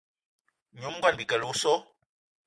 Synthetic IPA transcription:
ɲu˨˦m˦ɡwa˦˨n˨bi˨kɛ˨lu˦sɔ˦

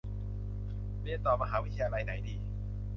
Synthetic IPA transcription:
li˧˥˩ənt̪ɔː˨˩ma˧ɦaː˩˦wt̪ʰa˧jaː˧ɾa˧jna˩˦jdiː˨˧

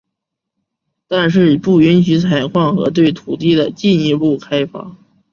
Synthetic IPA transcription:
t̪a˥˧nʂ̬ɻ̩˥˩˨pu˥˩y˧˥nɕy˧˥t͡sʰa˨˩ɪkʰwɑ˥˩ŋxɤ̰˧˥t̪we˥˩ɪt̪ʰu˨˩t̪i˥˩d̪ə˩t͡ɕi˥˩ni˧˥pu˥˩kʰa˥ɪfa̰˧˥

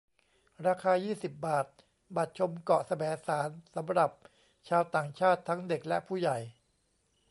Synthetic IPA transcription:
ɾaː˧kʰaː˧jiː˥˩si˨˩p̚baː˨˩t̪̚ | ba˨˩t̪̚t͡ɕʰo˧mkɔ˨˩sa˧bɛː˩˦saː˩˦nsa˩˦mɾa˨˩p̚ | t͡ɕʰaː˧wt̪aː˨˩ŋt͡ɕʰaː˥˩t̪ʰːa˦˥ŋde˨˩k̚lɛ˦˥ʔpʰuː˥˩ja˨˩j

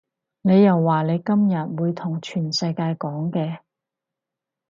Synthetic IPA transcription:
ne˨˧jɐ˨wːaː˨ne˨˧jkɐ˥mjɐ˨˩t̚wuː˨˧jt̪ʰʊ˨˩ŋt͡ʃʰyː˨˩nsɐ˧jkaː˧jkɔː˨˥ŋkɛː˧

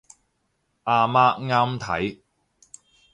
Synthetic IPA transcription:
ʔaː˧maː˧˥ŋaː˥mt̪ʰɐ̰˨˥j

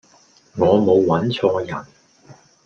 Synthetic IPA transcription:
ŋɔː˨˧mo˨˧wːɐ˨˥nt͡sʰɔː˧jɐ˨˩n

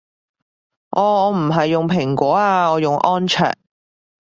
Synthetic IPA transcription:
ʔɔː˨˧ɔː˨˧m̩˨˩ɦɐ˨jːʊ˨ŋpʰɪ˨˩ŋkʷɔː˨˥aː˧ɔː˨˧jʊ˨ŋʔɔː˥nt͡ʃʰœ̰ː˨

